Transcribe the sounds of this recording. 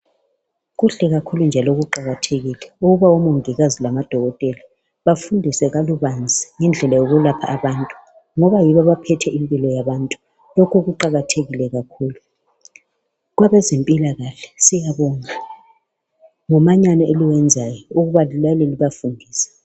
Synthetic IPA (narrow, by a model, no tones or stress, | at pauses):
ɣuɬɛɣakʰulund͡ʒʱalɔɣuǃaɣatʰeɣilɛuɣuβawɔmuŋiɣazilamad̥ʱɔɣɔtʼɛli | βafundʱisɛɣaluβand͡zʱiŋɛnd͡ɮʱɛlajoɣulapʰaːβantʼu̥ | ŋɔβajiβaβapʰɛtʰɛimpʼilɔjaβantʼu | lokʰuɣuǃaɣatʰeɣilɛɣakʰuːlu | ɣwaβɛzempʼilaɣaɬɛ̥sijaβɔŋa | ŋɔmaɲanɔeliwɛnd͡zʱajɔuɣuβalilaleliβafundʱiːsḁ